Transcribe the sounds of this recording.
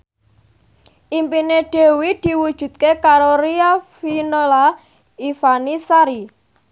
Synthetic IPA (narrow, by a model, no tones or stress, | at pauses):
ʔimpineɖ̪̥e̤wid̪̥i̤wud̥ʒ̥ṳt̪̚kekaɾoɾiafinola | ifanisaɾi